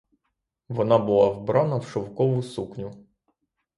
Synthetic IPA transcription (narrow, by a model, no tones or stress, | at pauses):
ʋɔnɑbʊlˠɑwbɾanɐwʃɔwkɔʋʊsuknʲʊ